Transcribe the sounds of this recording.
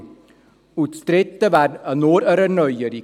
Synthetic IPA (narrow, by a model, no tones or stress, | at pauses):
ʉt̪st̪ɾɛt̪ːəʋæɾnoːɾæɾəɳœjəɾi